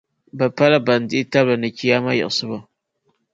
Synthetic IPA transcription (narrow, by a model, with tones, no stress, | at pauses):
ba˨pa˦la˦ba˨n˨dɪ˦ʔi˦ta˦bla˨nɨ˨ki˦ja˦ma˦jɛ̰˨sɨ˦ba˦